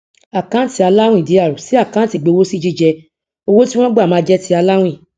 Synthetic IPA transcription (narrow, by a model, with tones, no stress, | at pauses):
a˨kã˦ti˧a˧la˦w̃ĩ˦˨di˨˦a˦˨ɾu˨si˨˦a˦˨kã˦ti˦˨ɡ͡be˧wo˦si˦d͡ʒi˦˨d͡ʒɛ˧ | o˧wo˦ti˦w̃ɔ̃˦ɡ͡ba˦˨mãː˨˧d͡ʒɛ˦ti˧˦a˧la˦w̃ĩ˦˨